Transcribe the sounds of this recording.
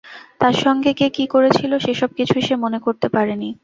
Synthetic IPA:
t̪aɾʃɔŋɡekekikoɾet͡ɕʰiloʃeʃɔb̚kit͡ɕʰuiʃemonekoɾt̪epaɾeni

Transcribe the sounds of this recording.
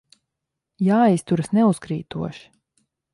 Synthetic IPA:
jaːist̪uɾasnɛuskɾiːt̪uɔʃi̥

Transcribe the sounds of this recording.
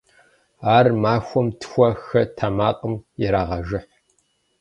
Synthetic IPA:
aːrmaːxʷɔmtʰxʷɐxɐtʰamaːqʼəmjɪɾaːʁɐʒɪħ

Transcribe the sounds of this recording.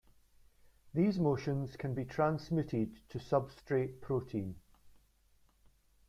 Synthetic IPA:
ðiːzmoʃə̃nz̥kʰə̃nbitʰɹ̥ãnsmɪʔɪd̚tʰəsʌbstɹ̥eʔpʰɹ̥oʔʰĩn

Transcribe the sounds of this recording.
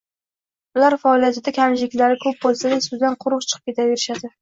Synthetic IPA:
ʊlaɾfɒlˠjat̪ɪd̪akʲʰamʃɪkʲlaɾɪkʰɵp̚bolˠsad̪asʊzd̪anqʰʊɾɨq̚t͡ʃʰɨ̥qʰɨp̚kʲe̞t̪ʰave̞ɾɪʃad̪ɪ

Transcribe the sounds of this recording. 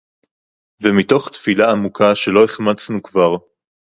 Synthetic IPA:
vemito̞χt̪filaːmukʰaʃe̞lo̞eχmat͡snukvaʁ

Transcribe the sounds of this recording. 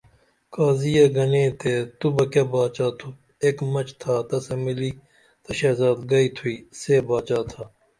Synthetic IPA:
kaːzijɐɡɐnẽːt̪et̪ubɐkɐbaːt͡ʃaːt̪ʰu | eːkmɐt͡ʃt̪ʰaːt̪ɐsemiliː | t̪ɐʃeːzaːd̪ɡɐiːt̪ʰuiːseːbaːt͡ʃaːt̪ʰaː

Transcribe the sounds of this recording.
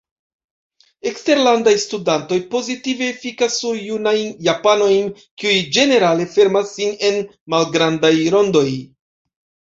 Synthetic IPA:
e̞kste̞ɾlandajstudanto̞jpo̞zitive̞fikasːuɾjunajnjapano̞jn | kiujd͡ʒe̞ne̞ɾale̞fe̞ɾmasːine̞n | malɡɾandajɾo̞ndo̞j

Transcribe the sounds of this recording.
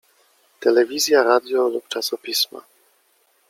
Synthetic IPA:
t̪ɛlɛvʲizʲjaɾad̪jɔlupt͡ʂasɔpʲisma̰

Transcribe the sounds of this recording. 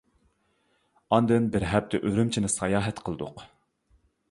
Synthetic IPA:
ɑnd̪ɨnbɪɾɦɛp̚t̪ʰɪʔøɾymt͡ʃʰinɪsɑjɑːɦɛt̪qʰəlˠɨd̪ʊ̰q

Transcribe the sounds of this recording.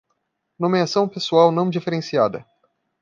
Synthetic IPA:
nomeasɐw̃pesuawnɐ̃w̃d͡ʒifeɾensiad̪ə

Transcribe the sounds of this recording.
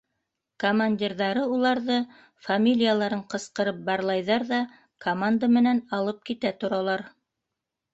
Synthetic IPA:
komanʲdʲirðɑɾɤulˠɑɾðɤ | famʲilʲijalˠɑɾɤɴqɤ̆sqɤ̆ɾɤp̚bɑɾlˠɑjðɑɾðɑ | kʰomand̪amɘ̆nænɑlˠɤp̚kit̪æt̪ŏɾɑlˠɑɾ

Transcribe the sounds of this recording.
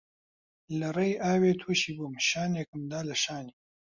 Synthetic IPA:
lɐɾɐjaːweːt̪ʰuɕibumɕaːneːkəmd̪aːlɐʃaːni

